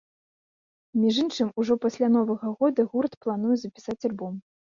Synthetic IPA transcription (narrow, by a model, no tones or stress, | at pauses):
mʲiʐɨnt͡ʂɨmuʐɔpasʲlʲan̪ɔvɐɣɐɣɔd̪ɐɣurt̪plˠan̪ujɛzɐpʲi̥sat͡sʲalʲbɔm